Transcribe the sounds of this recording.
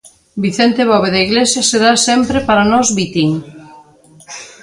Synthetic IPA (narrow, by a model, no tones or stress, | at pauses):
biθent̪eβɔβeðaiɣlesjaseðasempɾepaɾanɔzβit̪iŋ